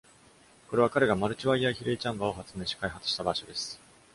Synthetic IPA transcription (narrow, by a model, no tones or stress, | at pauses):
ko̞ɾe̞β̞akaɾe̞ɡamaɾɯ̟t͡ɕiβaiaçiɾeit͡ɕãmbao̞ɦat͡sɨme̞ːɕi̥kaiɦat͡sɨ̥ɕi̥t̪abaɕo̞d̪e̞sɨ̥